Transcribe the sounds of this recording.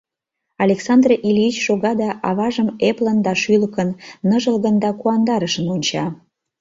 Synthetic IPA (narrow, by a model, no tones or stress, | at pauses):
ɑlʲeksɑnd̪rʔilʲiit͡ɕʃoɣɑd̪ɑʔɑβɑʒəmeplənd̪ɑʃyləkənːəʒəlɣənd̪ɑkuɑnd̪ɑɾəʃənunʲt͡ɕɑ